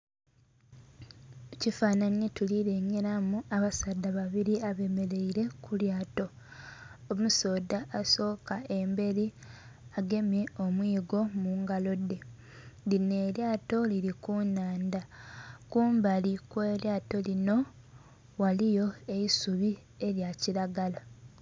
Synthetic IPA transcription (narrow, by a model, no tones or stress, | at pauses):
cifaːnaɲjetuliɾe̞ɲeɾamuaβasadːaβaβiɾiaβe̞me̞le̞iɾe̞kʰuljaːto̞ː | muso̞ːdaʔːso̞ːkaʔe̞mbe̞ɾi | aɡe̞mje̞o̞mwiːɡo̞muːŋɡalo̞dːe̞ | dine̞ːljaːto̞liɾikunaːndakuːmbalikwe̞ːljaːto̞lino̞ | walijo̞e̞isuβi | e̞ɾjaciɾaɡala